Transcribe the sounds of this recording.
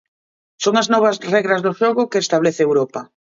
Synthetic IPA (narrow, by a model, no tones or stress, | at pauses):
soŋaznɔβ̞azrɛɣɾazðʊʃoɣʊkeest̪aβleθɪewɾɔpa